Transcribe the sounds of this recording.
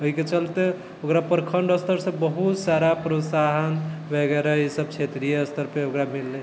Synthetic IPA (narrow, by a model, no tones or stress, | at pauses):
oɦiket͡ʃəlt̪e | okɾapəɾkʰəɳɖəst̪əɾsə̃bəɦut̪saɾapɾosaɦənbʱɛɡɛɾaisəb̚t͡ʃʰet̪ɾijəːst̪əɾpeokɾamilːe